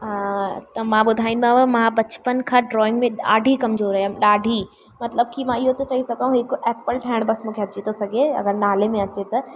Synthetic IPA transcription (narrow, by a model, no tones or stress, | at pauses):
t̪ɐmãɓʊd̪ʱaːĩnd̪uãʋemãbɐt͡ɕpənkʰãɖɾɔːɪ̃ŋɡmẽɗaːɖʱikɐmzoːɾɐɦjəmɗaːɖʱi | mɐt̪ləb̚kimãɪɦot̪ɐt͡ɕɐɦisɐɡʱaɦũɦɪkeːpəlʈʰaɪɽ̃bɐsmũːkʰeɦɐt͡ɕit̪ʰosɐɡʱeɐ̰ɡəɾnaːlemẽɐt͡ɕet̪ɐ